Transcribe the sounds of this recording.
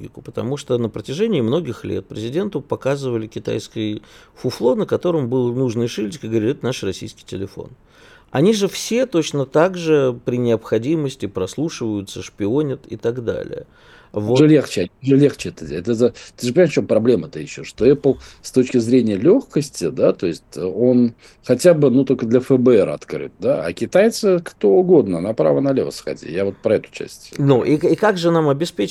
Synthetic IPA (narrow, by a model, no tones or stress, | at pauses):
ɡʲɪkʊpət̪ɐmuʂt̪onəpɾətʲɪʐenʲɪːmno̞ɡʲɪxlʲḛt̪̚pɾʲɪzʲɪdʲe̞nt̪ʊpɐkazɨvəlʲɪkʲɪt̪a̰jskɨj | fʊflˠo̞nəkɐt̪o̞ɾəmbɨlˠnuʐnɨjʂɨlʲt͡ɕɪkʲəɨɡəvɐɾʲit̪ɛt̪ənaʂrɐsʲḭjskʲɪ̥jtʲɪlʲɪfo̞̰n | ɐ̰nʲiʐɨfsʲe̞t̪o̞t͡ɕnət̪aɡʐɨpɾʲɪnʲɪəpxɐdʲiməsʲtʲɪpɾɐslˠuʂɨvəjʊt̪səʂpʲɪo̞nʲɪt̪ɪ̰t̪aɡd̪a̰lʲɪ̰jə̰ | voʐlʲext͡ɕɪʐɨlʲext͡ɕɪɛt̪əɛt̪əət̪ɨʐɨpənʲʂft͡ɕʲompɾɐblʲeməɛt̪əjɪɕːoʂt̪o̞ɛplˠst̪ot͡ɕkʲɪzɾʲenʲɪjəlʲoxkəsʲtʲɪd̪at̪o̞ɪsʲtʲo̞n | xɐtʲabɨnut̪o̞lʲkəd̪lʲəfəbəɛɾɐ̰t̪kɾɨ̰t̪̚d̪aɐ̰kʲɪt̪ajt̪sɨkt̪o̞ʊɡo̞d̪nənapɾa̰vənɐlʲḛvəsxɐ̰dʲḭjavo̞t̪̚pɾɐɛt̪ʊ̥t͡ɕæ̰sʲtʲnuʔiikaɡʐɨnamɐbʲɪspʲet͡ɕ